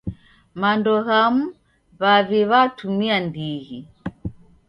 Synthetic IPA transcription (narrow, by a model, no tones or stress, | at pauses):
mandɔɣamu | βaβiβatumiandiɣi